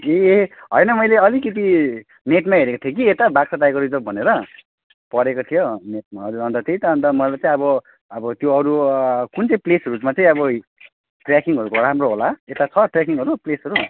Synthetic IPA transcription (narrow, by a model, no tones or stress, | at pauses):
eɦʌ̰jnʌmʌjleʌlikʌt̪̬i | neʈmaɦeɾekot̪ʰijokiet̪abak̚saʈajkʌɾud͡zʌbʱʌneɾʌ | pʌɾekot̪ʰijoneʈ̚maʌɾuʌnt̪ʌt͡sʌĩt̪ʌʌnt̪ʌmʌlajt͡saĩʌbʌ | ʌbʌt̪joʌɾukunt͡sʌĩplesʌrud͡zmat͡sʌĩʌbʌ | ʈrakiŋɡɦʌɾukoɾamroɦolaet̪at͡sʰʌʈrjakiŋɦʌɾuplesʌɾu